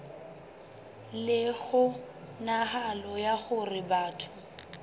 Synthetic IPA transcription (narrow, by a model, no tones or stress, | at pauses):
lɪɣʊ | naɦalɔjaɣʊrɪbaːtʰʊ̥